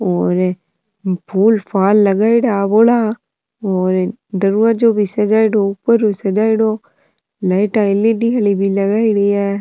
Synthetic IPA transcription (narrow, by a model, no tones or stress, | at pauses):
ɔːɾ | pʰuːlpʰaːlːəɡaːɪɽaboːla | ɔːɾ | d̪əɾuːad͡ʒoːbʱisəd͡ʒaːɪɽoʊpːəɾosəd͡ʒaːɪɽoː | laɪʈãɪlːiɖiɦalibʱiləɡaːiɽiɛː